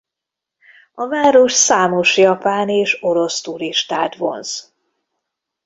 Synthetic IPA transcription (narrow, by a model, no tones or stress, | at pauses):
ɒvaːɾoʃsaːmo̞ʃjɒpaːneːʃo̞ɾo̞st̪uɾiʃt̪aːt̪ʋo̞̰ns